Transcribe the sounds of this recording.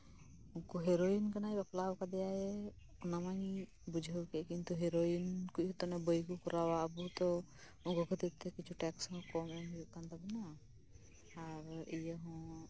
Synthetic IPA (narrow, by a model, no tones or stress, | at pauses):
ũkuɦeɾoinkanajbaplawkad̪ɛjajɛ | ɔnamaɲ | bud͡ʒʱəwkɛʔkint̪uɦeɾoinkuʔɦɔt̪ɔnɛbəjkukɔɾawaːbut̪ɔ | ũkɔkʰət̪ip̚t̪ʰɛkit͡ʃʰuʈɛksɔ̃kɔmɛɦijuʔ̚kant̪abɛna | aɾijəɦɔ̃